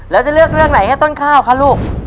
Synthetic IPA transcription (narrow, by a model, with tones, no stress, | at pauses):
lɛː˦˥wt͡ɕa˨˩lɯ˥˩ək̚ɾɯ˥˩əŋna˩˦jha˥˩jt̪o˥˩nkʰaː˥˩wkʰa˦˥luː˥˩k̚